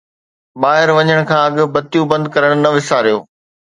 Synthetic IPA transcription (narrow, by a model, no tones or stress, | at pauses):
ɓaːɦɪɾʋɐɲəɽ̃kʰãːɐɠʊ̆bɐt̪ijũbɐ̃nd̪kɐɾəɽ̃ʊnɐʋɪsaːɾijo̰ː